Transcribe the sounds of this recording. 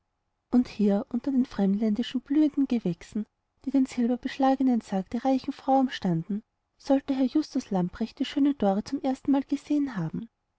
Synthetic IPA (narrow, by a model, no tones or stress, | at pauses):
ʔʊnthiːɐʔʊntɐdeːnfʁ̥ɛmdlɛndɪʃn̩b̥lyːəndn̩ɡ̥əvɛksn̩ | d̥iːdeːnsɛlbɐb̥əʃlaːɡənənsaːkd̥eːɐʁaɪçn̩fʁ̥aʊnʃtandn̩ | sɔltəɦɛɐjʊstʊslampʁɛçt̚d̥iːʃøːnənd̥ɔɐʁət͡sʊmʔeːɐstn̩maːlɡ̥əzeːənɦaːbm̩